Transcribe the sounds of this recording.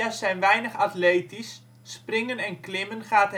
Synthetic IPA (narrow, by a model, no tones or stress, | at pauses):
asɛjnʋɛjnəχatleːtisː | prɪŋənɛnklɪmənχaːt